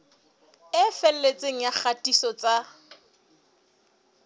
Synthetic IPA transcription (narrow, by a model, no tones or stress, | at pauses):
ɪfɛl̩let͡sʼeŋ̩jaχʰatʼisɔt͡sʼa